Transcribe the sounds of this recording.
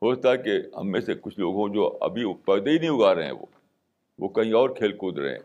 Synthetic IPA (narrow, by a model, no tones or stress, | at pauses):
ɦoːst̪aɦɛkeɦɐ̰mːẽːsekʊt͡ʃʰloːɡõd͡ʒoːɐ̰bʱipɛːd̪einɐɦĩʊɡaːɾeɦɛ̰̃ʋo̰ː | ʋo̰kɐɦĩɔːɾkʰeːlkuːd̪ɾɐ̰ɦḛ̃